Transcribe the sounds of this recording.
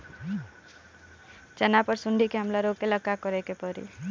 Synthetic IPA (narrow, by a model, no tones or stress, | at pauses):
t͡ʃenapəɾsuɳɖʱikeɦəmlaɾokeləkːakɔɾekepɔɾḭ